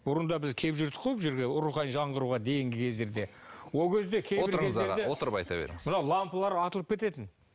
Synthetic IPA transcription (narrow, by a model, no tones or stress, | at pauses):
bʊɾənd̪ɑbɪzkʲʰe̞pʒʏɾd̪ɪ̥qʰujˠbʒeɾɡʲeʊɾuχɑnnʒɑɴʁəɾuʁɑd̪e̞jɪŋɡʲɪkʲʰe̞zd̪e̞ɾd̪e̞ | wo̞lˠkʲʰezd̪e̞kʲʰejobɪɾkʰezed̪eot̪əɾəpɑjt̪ɑbḛɾɪ̰ŋɪzmənɑwlˠɑmpəlˠɑɾɑt̪əlˠəpkʲʰe̞t̪e̞t̪ɪn